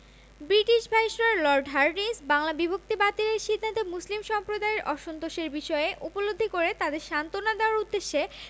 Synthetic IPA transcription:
bɾiʈiʃbʱaiʃɾaɾlɔɾɖɦaɾɖisbaŋlabibʱok̚t̪ibat̪ileɾʃid̪ʱːat̪emuslimʃɔmpɾod̪aeɾʔɔʃont̪oʃeɾbiʃɔeeʔupolod̪ʱːikoɾet̪ad̪eɾʃant̪onad̪eoaɾud̪ːeʃːe

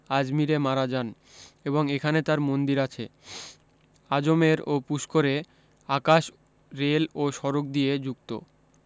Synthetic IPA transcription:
ad͡ʑmiɾemaɾad͡ʑan | eboŋekʰanet̪aɾmond̪iɾat͡ɕʰḛ | ad͡ʑomeɾopuʃkoɾe | akaʃ | ɾeloʃɔɾok̚d̪ijed͡ʑuk̚t̪o̰

